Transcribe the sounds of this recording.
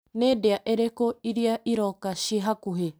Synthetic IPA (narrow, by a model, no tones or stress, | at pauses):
neːdeaʔeɾekoiɾiaʔiɾɔkaʃiɦakuɦe